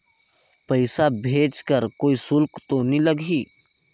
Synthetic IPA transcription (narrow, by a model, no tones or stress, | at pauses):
pəɪsabʱeːd͡ʒkəɾkoːisʊlkt̪oniləɡʱiː